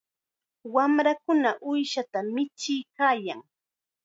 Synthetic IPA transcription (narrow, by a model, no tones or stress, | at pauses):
wamɾakʊnaʔʊjʃat̪amɪt͡ʃɪjkaːjaŋ